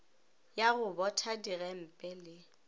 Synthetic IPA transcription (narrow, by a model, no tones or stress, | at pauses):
jaɣʊbɔtʰadiɣɛm̩pʼɛlɪ